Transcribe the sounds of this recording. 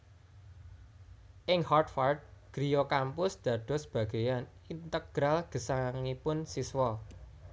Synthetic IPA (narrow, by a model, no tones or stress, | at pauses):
ʔɪŋhɔrt̪fart̪̚ɡ̥ɾijɔkampʊsd̪̥ä̤d̪̥ɔ̤səb̥ä̤ɡ̥e̤jan | int̪əɡ̥ɾalɡ̥ə̤saŋipʊnsiswɔ